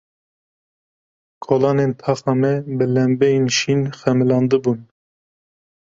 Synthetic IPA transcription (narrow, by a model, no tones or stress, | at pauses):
kʰolɑːnent̪ʰɑːxɑːmɛbɨlɛmbɛinʃinxɛmɨlɑːnd̪ɨbun